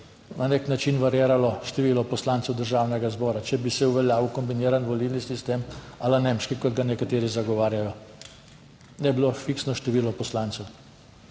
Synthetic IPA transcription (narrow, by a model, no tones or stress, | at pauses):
naneknat͡ʃinʋaɾjeːɾalɔʃt̪ɛʋiːlɔpɔslant̪sɛwd̪əɾʒaːwnɛɡazbɔːɾat͡ʃɛbisɛuʋɛljaːwkɔmbiniːɾanʋɔlilnisist̪emalanemʃkikɔd̪ɡanɛkat̪eːɾizaɡɔʋaːɾjajɔ | nɛbilofiksnɔʃt̪ɛʋiːlɔpɔslaːnt̪sɛw